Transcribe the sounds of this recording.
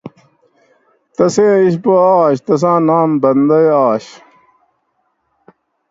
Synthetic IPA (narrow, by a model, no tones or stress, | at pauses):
t̪ɐsẽːiɕboaːɕt̪ɐs̬ãːnãːmbɐnd̪ɐjaːɕ